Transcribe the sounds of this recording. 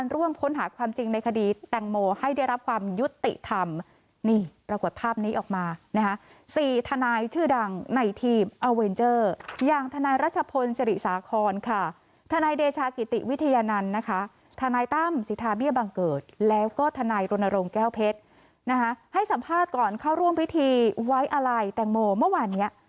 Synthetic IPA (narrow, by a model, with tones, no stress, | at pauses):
a˧nɾu˥˩əmkʰo˦˥nɦaː˩˦kʰwaː˧mt͡ɕi˧ŋna˧jkʰa˧diː˧t̪ɛ˨˩ŋmoː˧ha˥˩jda˥˩jɾa˦˥p̚kʰwaː˧mju˦˥t̪ːḭ˨˩ʔt̪ʰa˧m | niː˧˩pɾa˧ko˨˩t̪̚pʰaː˥˩p̚niː˦˥ʔɔː˨˩k̚maː˧na˦˥kʰa˦˥ | siː˨˩t̪ʰa˧naː˧jt͡ɕʰɯː˥˩da˧ŋna˧jt̪ʰiː˧mʔa˧we˧nt͡ɕɤː˥˩jaː˨˧˩ŋt̪ʰa˧naː˧jɾaː˦˥˩t̪̚t͡ɕʰa˧pʰo˧nsa˧ɾi˨˩saː˩˦kʰɔː˧nkʰa˥˩ | t̪ʰa˧naː˧jdeː˧t͡ɕʰaː˧ki˨˩t̪ḭ˨˩wi˦˥t̪ʰa˧jaː˧na˧nːa˦˥kʰa˦˥ | t̪ʰa˧naː˧jt̪a˥˩msi˨˦t̪ʰaː˧bi˥˩əba˧ŋkɤː˨˩t̪̚lɛː˦˥wkɔː˥˩t̪ʰa˧naː˧jɾo˧nːa˧ɾo˧ŋkɛː˥˩wpʰe˦˥t̪̚ | na˦˥kʰa˦˥ha˥˩jsa˨˦mpʰaː˥˩t̪̚kɔː˨˩nkʰaː˥˩wɾu˥˩əmpʰi˦˥t̪ʰiː˧wa˦˥jʔa˧ɾa˧jt̪ɛ˨˩ŋmoː˧mɯ˥˩waː˧nːi˦˥ɐ